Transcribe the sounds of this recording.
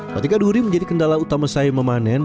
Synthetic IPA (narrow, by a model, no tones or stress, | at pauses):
kət̪ikaduɾiməɲd͡ʒadikəndalaut̪amasaiməmanɛn